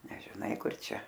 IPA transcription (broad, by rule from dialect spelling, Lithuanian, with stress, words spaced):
nʲɛʒʲɪˈnɐɪ ˈkʊr ˈt͡ʃʲɛ